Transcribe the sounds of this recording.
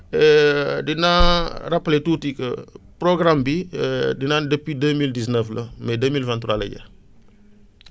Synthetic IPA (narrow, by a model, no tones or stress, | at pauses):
ɛdinarapːletuːtikəpɾoɡɾambidinandəpːidəmildisnəflɐmɛdəmilvãnt̪ɾaːlə̰ɟɐ̰